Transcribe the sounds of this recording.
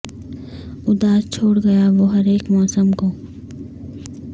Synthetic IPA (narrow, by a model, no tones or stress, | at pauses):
ʊd̪aːzt͡ʃʰoːɽɡɐjaʋoːɦɐɾeːkmɔːsəmkoː